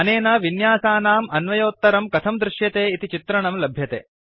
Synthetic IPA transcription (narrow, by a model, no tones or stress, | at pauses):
ɐneːnɐʋinjaːsaːnaːmɐnʋɐjoːt̪ːɐɾɐmkɐt̪ʰɐmd̪ɾɪʃjɐt̪eːit̪it͡ʃit̪ɾɐɳɐmlɐbʱjɐt̪ḛː